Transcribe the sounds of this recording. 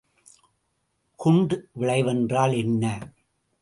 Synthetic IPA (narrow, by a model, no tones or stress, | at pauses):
kʊɳɖʋɪɭɐɪʋɐndraːlɛnːɐ